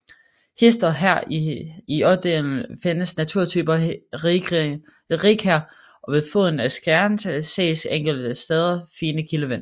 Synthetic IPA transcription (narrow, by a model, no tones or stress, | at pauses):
he̝sd̥ɐɦæɐ̰iɒ̽bd̥ḛːln̩fe̝nəsnæt͡sʰuɐ̰t͡sʰyːb̥ɐ | ʁiɡʰæɐ̰ | ʔɒ̽ʋe̝ðˠfɔðˠn̩æsɡ̥æɐnsəsḛːseŋ̰ɡ̥l̩d̥əsd̥eːð̞ˠɐfiːnəkʰiləʋenɐ